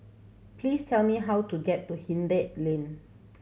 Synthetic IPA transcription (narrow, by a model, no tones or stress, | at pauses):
plistʰɛlmiɦawtuɡɛtːuhĩndet̚lẽn